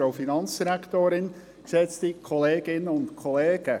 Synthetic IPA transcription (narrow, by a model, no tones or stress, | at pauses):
oʊfinɑnt͡sd̥iɾæktoːɾɪn | ksɛt͡stikʰɔleːɡ̥ɪnːəʊntkʰɔleːɡ̥ə